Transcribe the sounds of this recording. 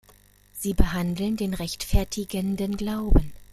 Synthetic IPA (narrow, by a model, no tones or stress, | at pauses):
z̥iːbəɦandl̩ndeːnʁɛçtfɛɐtʰɪɡəndənɡlaʊbən